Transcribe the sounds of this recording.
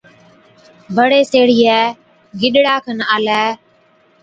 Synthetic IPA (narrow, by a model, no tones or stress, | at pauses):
bʱəɽeːseːɽiːɛː | ɡɪɗɽaːkʰənaːlɛː